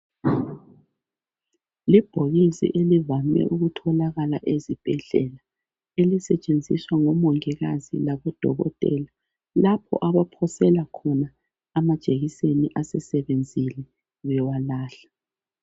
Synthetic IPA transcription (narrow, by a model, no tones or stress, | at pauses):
lib̥ʱoɣisḭʔelivamɛ̰ʔuɣutʰɔlaɣalaʔezib̥ʱɛɮɛla | elisɛt͡ʃʼend͡zʱiswaŋɔmɔŋɛɣazḭlaβɔd̥ʱɔ̰ɣɔ̰tʼɛ̰la | lapʰɔ̰ʔaβapʰɔsɛlakʰɔnaː | mad̥ʒ̥ʱʼeɣiseniʔasɛsɛβend͡zʱilɛ | βɛwalaːɬḁ